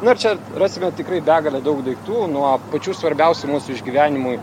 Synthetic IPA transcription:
nʊɪɾt͡ʃʲɛ | rɑːsʲɪmʲɛt̪ʲɪkɾɐɪbʲæːɡɐlʲɛd̪ɐʊkd̪ɐɪkt̪uːnuɔpɐt͡ʃʲuːsʋɐɾʲbʲɛʊsʲʊmuːsʊɪʒʲɡʲiʋʲæːnʲɪmʊj

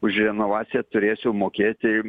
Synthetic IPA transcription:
ʊʃrʲɛnoːʋɑːt̪sʲɪjɛt̪ʊɾʲeːsʲɛʊmoːkʲeːt̪ʲɪ

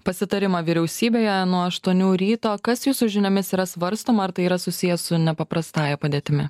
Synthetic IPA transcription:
pɐsʲɪt̪ɐɾʲɪmɑʋʲiɾʲɛʊsʲiːbʲeːjɛnuɔɐʃt̪uɔnʲuːɾʲiːt̪oːkɐsjuːsʊʒʲɪnʲomʲɪsiːɾɐsʋɐɾst̪oːmɐɐɾt̪ɐɪiːɾɐsʊsʲɪjɛsʊnʲɛpɐpɾɐst̪ɑːjɛpɐd̪ʲeːt̪ʲɪmʲɪ

